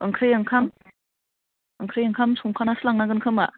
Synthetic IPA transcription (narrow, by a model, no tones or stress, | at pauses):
ɯŋkʰɾɯjɯŋkʰam | ɯŋkʰɾɯjɯŋkʰamsuŋkʰanasɯlaŋnaɡɯnkʰɯma̰